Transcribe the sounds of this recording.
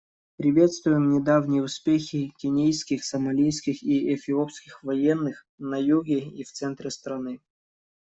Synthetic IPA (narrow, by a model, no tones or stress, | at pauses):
pɾʲɪvʲe̞t̪st̪vʊjɪmnʲɪd̪avnʲɪjəʊspʲexʲɪkʲɪnʲejskʲɪxsəmɐlʲijskʲɪxiɛfʲɪopskʲɪxvɐjenːɨx | nɐjuɡʲɪift̪sɛnt̪ɾʲɪst̪ɾɐnɨ